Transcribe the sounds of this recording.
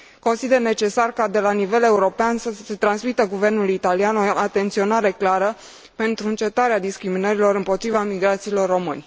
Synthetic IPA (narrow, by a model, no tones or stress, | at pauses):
ko̞nsid̪e̞rne̞t͡ʃe̞sarkad̪e̞lanive̞le̞uɾo̞peansəse̞t̪ɾansmit̪əɡuve̞rnulit̪alianoat̪e̞nt̪sio̞naɾe̞klaɾə | pe̞nt̪ɾuɨnt͡ʃe̞t̪aɾead̪iskɾiminəɾilo̞ɾɨmpo̞t̪ɾivamiɡɾat̪siːlo̞rːo̞mɨ̰nʲ